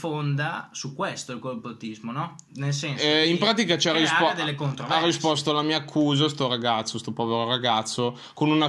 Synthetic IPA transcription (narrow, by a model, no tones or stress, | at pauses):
fond̪asukːwest̪oilkopot̪izmonɔ | nelsɛnɛimpɾaːt̪ikat͡ʃarːisd̪elːekont̪ɾovarːispɔst̪oalamiːaːkʰːuːzas̬t̪oɾaɡat̪sːost̪opɔveɾoɾaɡat̪sːo | konuna